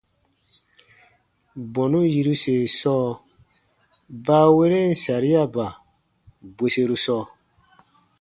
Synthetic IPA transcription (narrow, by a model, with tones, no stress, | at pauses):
bɔ˨nũ˦ji˧ɾu˦se˨sɔː˦˨ | baː˦we˦ɾe˦˨n̩˨sa˨ɾi˦a˦˨ba˨ | be˨se˧ɾu˦sɔː˦˨